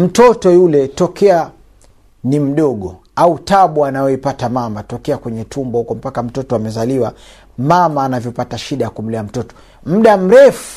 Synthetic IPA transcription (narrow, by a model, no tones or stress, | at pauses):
m̩tɔtɔjulɛtɔkɛa | nim̩ɗɔɠɔ | autaɓuanajɔipatamamatɔkɛakwɛɲɛtʰumbahukɔm̩pakam̩tɔtɔamɛzaliwa | mamaːnavjɔpataʃiɗajakum̩liam̩tɔtɔ̥ | m̩ɗam̩ɾɛfu